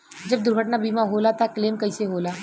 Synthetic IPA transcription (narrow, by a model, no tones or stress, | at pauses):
d͡ʒɐb̚d̪ʊɾɡʱəʈnabiːmaɦoːlat̪akleːmkɐɪseɦoːlaː